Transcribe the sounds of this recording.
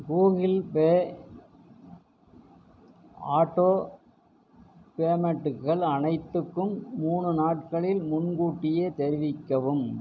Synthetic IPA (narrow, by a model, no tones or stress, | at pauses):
ɡuːɣɪlpeː | aːʈːoː | peːmɐʈːɯkːɐɭɐnɐɪt̪ːɯkːɯmːuːɳɯnaːʈ̚kɐɭɪlmʊnɡuːʈːɪjeːt̪ɛɾɪʋɪkːɐʋɯm